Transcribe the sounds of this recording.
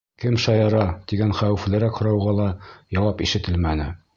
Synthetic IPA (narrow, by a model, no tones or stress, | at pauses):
kɘmʃɑjɑɾɑt̪iɡænχæwɘ̆flɘ̆ɾækhŏɾɑwʁɑlˠɑjɒwɑpiʃɘ̆t̪ɘlmænɘ̰